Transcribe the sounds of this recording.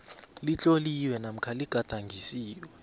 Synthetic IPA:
lit͡ɬʼoliwɛnam̩kʰaliɡ̥ʱad̥ʱaŋɡʱisiːjwɛ

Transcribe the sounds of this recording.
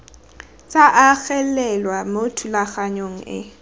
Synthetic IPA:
t͡sʼaʔaɣɛlɛlwamotʰulaχaɲoŋ̩ɪ̰

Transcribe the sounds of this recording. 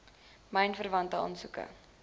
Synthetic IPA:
məjnfərvɐntəɔ̰nsukə̰

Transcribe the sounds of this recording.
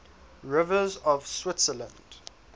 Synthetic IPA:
ɹɪvəzɔv̥swɪtsələ̃nd̥

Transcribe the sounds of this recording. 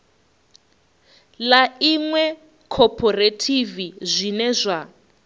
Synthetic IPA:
laiŋwɛ | kʰɔpʰɔretʰivizʷinɛzʷa

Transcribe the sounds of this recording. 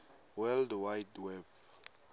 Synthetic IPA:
wɛldwajdwɛb

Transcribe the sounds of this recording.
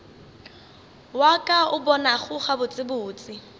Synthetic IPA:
wakʼaʊbɔnaχʊχabʊt͡sʼɪbʊːt͡sʼɪ

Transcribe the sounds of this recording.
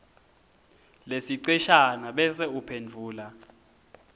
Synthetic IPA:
lesiǀiʃanaɓɛsɛupʰend͡vʱuːla

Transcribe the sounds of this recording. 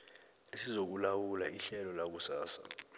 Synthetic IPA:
esizok̬ulawulaʔiɬɛlɔlak̬usaːsḁ̰

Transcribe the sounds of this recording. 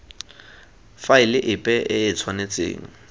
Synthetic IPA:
faɪlɪʔɪpʼɛʔɪɪt͡sʰwanet͡sʼḛːŋ̩

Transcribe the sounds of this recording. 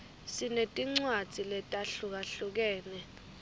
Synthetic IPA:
sinetʼiŋ͡ǀwad̥d͡z̥ʱilɛtʼaɬuk̬aɬuk̬ɛːnɛ

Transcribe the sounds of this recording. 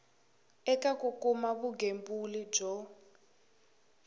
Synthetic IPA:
ɛkʼakʼukʼumaβuɡʱembulid͡ʒɔ

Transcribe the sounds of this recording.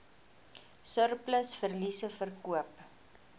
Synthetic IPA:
sərpləsfərlisəfərkuəp

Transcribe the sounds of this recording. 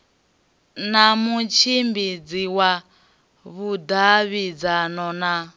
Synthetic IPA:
namut͡ʃʰimbid͡ziwa | βud̪aβid͡zanɔna

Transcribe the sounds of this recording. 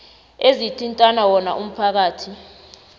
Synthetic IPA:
ezitʰintʼanawɔnaʔum̩pʰak̬aːtʰi

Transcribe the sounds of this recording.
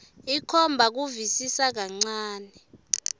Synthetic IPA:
ikʰɔmbʱak̬uvisisak̬aŋ͡ǀaːnɛ

